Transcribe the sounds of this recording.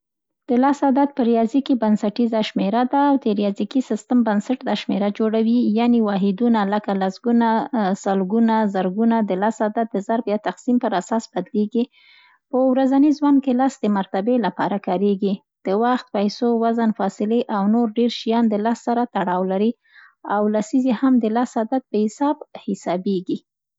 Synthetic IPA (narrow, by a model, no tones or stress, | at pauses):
d̪̥əlasad̪at̪̚pəɾijɑzikibansaʈizaʃmeɾad̪aːwd̪əɾijɑzikisɪst̪ambansaʈd̪ɑʃmeɾad͡ʒoɽawijanewɑɦɪd̪unaləkalasɡunasəlɡunazəɾɡunad̪əlasad̪at̪̚d̪əzaɾbjɑt̪aqsimpəɾasɑsb̥ad̪leɡi | pəwɾazanizwan̚kelɑsd̪əmaɾt̪abelapɑɾakɑɾeɡi | d̪̥əwaxt̪̚pajsowazanfɑsɪleʔawnoɾɖeɾʃijɑnd̪əlɑssaɾat̪aɽɑwlaɾi | awlasizehamd̪əlɑsad̪at̪̚pəhɪsɑbhɪsɑbeɡi